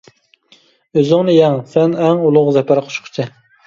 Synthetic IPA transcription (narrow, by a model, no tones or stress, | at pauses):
øzɪŋnɪjɛŋsɛnɛŋulˠʊʁzɛpæɾqʰʊ̥ʃqʰʊ̥t͡ʃʰɪ